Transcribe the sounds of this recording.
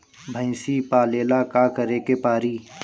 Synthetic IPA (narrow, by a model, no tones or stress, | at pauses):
bʱə̃ɪ̃sipaːleːlakaːkəɾekepaːɾiː